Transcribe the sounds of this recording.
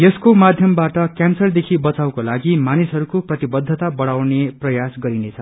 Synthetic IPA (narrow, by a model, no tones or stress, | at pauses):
jeskomad̪ʱjʌmbaʈʌkjansʌrd̪ekʰibʌt͡saw̃kolaɡimanisɦʌɾukoprʌt̪ibʌd̪ʱːʌt̪abʌɽawneprʌjasɡʌɾinet͡sʰʌ